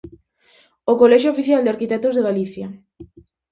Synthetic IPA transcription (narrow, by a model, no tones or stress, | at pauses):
okolɛʃ̬oofiθjald̪eaɾkit̪ɛk̚t̪ozðeɣaliθja